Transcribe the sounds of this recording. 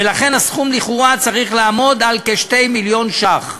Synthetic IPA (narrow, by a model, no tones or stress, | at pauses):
velaχe̞nhasχumliχuʁat͡saʁiχlaːmo̞d̪alkeʃte̞jmiljo̞nʃaχ